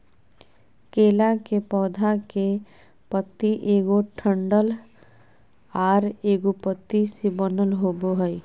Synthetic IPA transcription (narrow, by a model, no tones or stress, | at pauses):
keːlakepɔːd̪ʱake | pət̪ːiʔeːɡoʈʰə̃ɳɖəl | aːɾeːɡupət̪ːisibənəlɦoboɦəi